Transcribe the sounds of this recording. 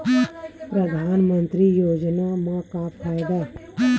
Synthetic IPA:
pɾɐd̪ʱaːnmə̃nt̪ɾijoːd͡ʒnamãkapʰaːjd̪a

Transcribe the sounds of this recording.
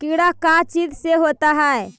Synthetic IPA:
kiɽakat͡ʃid̪seɦot̪aɦae

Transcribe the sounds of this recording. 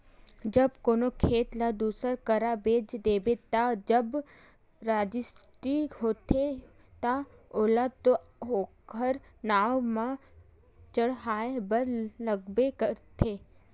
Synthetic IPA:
d͡ʒəbkonokʰeːt̪lad̪uːsəɾkəɾabeːd͡ʒd̪eːbet̪ad͡ʒəb | ɾaːd͡ʒɪsʈiɦoːt̪ʰe | t̪aoːlat̪o | okəɾ | naːʋmã | t͡ʃəɽɦaːebəɾləɡbekəɾt̪ʰe

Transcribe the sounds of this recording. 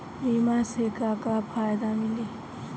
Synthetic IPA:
imasekakapʰajd̪amili

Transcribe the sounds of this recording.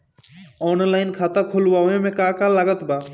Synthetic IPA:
ɔːnlaɪnkʰat̪akʰʊlwaẽmẽkakalaɡət̪ba

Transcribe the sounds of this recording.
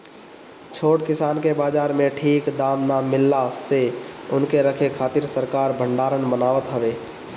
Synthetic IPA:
t͡ʃʰoːʈkɪsaːnkebaːd͡ʒaːɾmẽʈʰiːkd̪aːmnamɪlːaseʊnkeɾəkʰekʰaːt̪ɪɾsəɾkaːɾbʱəɳɖaːɾənbənaːʋət̪ɦəʋeː

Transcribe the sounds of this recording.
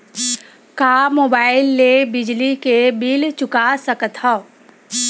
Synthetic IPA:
kaːmoːbaːɪlːebɪd͡ʒlikebilt͡ʃʊkasəkt̪ʰa

